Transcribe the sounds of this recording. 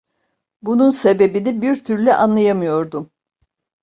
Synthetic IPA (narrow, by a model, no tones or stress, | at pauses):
bununse̞be̞binibiɾt̪ʰyɾlʲɛʔanlˠajamɯjo̞ɾd̪um